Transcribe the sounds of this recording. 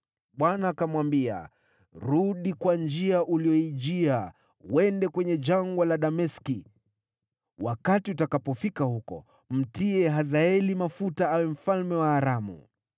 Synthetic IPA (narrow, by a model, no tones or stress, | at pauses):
ɓwanaːkamwambia̰ | ɾuɗikwand͡ʒiaʔuliɔiʄia | wɛndɛkwɛɲɛd͡ʒaŋɡwalaɗamɛski | wakatiutakapɔfikahukɔ̰ | m̩tiɛɦazaɛlimafutaawɛm̩falmɛwaːɾamṵ